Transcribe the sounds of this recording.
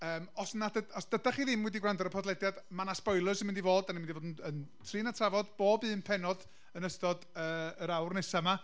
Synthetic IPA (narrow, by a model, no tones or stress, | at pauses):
əːmɔsnadəɔsd̥ədaχiːðɪmwɛdiɡwrandɔɾəpʰɔdlɛdjadmanaspɔjlˠʊsəmɪndivoːdanimɪndivoːdənəntʰrɨːnatʰravɔdboːbɨːnpʰɛnɔd | ənəstɔdəːəɾawrnɛsama